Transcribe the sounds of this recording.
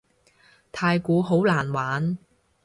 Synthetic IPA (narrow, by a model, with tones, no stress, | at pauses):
t̪ʰaː˧jkuː˨˥ɦo˨˥wlaː˨˩nwaː˨˥n